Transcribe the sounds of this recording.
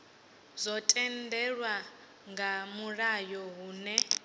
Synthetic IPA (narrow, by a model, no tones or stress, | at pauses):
zʷɔtʼɛndɛɺwa | ŋɡamurajɔɦuːnɛ